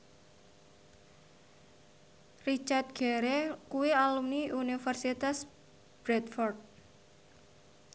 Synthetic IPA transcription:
rit͡ʃart̪̚ɡ̥ɛ̤ɾekuwialumniʔunifərsit̪as | b̥ɾɛt̪fɔrt̪̚

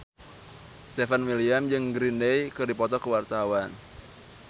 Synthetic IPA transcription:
st̪ɛfanwiliamd͡ʒɨŋɡɾindejkɨrdipɔt̪ɔkəwart̪awan

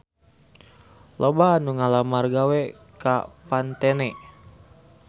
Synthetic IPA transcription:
lobaːnuŋalamarɡawɛ | ka̰pant̪ɛnɛ

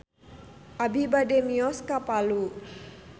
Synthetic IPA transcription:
ʔabibademiɔskapalu

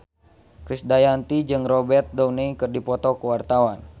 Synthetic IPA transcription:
kɾisdajant̪id͡ʒɨŋrɔbɛrt̪̚dɔwneikərdipɔt̪ɔkəwart̪awan

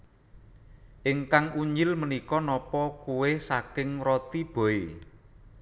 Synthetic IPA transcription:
ʔɪŋkaŋuɲd͡ʒɪlmənikɔnɔpɔkuwɪhsakɪŋɾɔt̪ib̥ɔ̤e

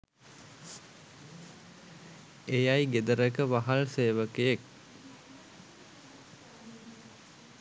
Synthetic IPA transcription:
ejajɡed̪əɾəkəʋaɦalseːʋəkejek̚

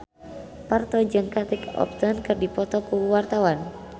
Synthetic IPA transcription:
part̪ɔd͡ʒɨŋkat̪ikɔ̰p̚t̪ɔnkɨrdipɔt̪ɔkuwart̪awan

